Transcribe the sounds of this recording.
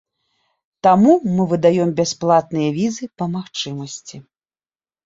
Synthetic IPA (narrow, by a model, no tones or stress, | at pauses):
t̪amumɨvɨd̪ajɔmbʲasplˠat̪̚nɨjɐvʲizɨpɐmaxt͡ʂɨmɐsʲt͡sʲi